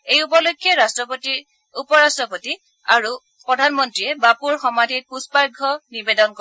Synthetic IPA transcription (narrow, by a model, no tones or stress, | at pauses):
ejupɔlokʰːjɔɹastɹɔpɔti | upɔɹastɹɔpɔti | aɹu | pɹɔdʱanmɔntɹiɛbapuɹxɔmadʱit̚puspaɹɡʱɔnibedɔnkɔ